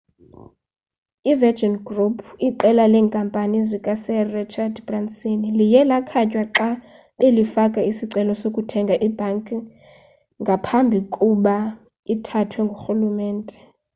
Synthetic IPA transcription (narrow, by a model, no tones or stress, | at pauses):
ivɛd͡ʒɔnɡrupʰiǃɛlalɛːŋkʼampʼanizikʼasɛrit͡ʃʰadbransʼinilijɛlakʰacʼwaǁa | ɓelifakʼaisiǀɛlɔsokʼutʰɛŋɡʱaʔib̥ʱaŋkʼ | ŋɡʱapʰambʱikʼuɓa | itʰatʰwɛŋɡʱoxulumɛːntʼɛ